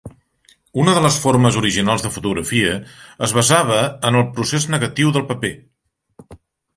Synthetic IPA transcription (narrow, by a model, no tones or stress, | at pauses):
unəðələsforməzuɾiʒinalˠzðəfut̪uɣɾəfiəəzβəzaβ̞əənəlˠpɾuseznəɣət̪iwðəlˠpəpe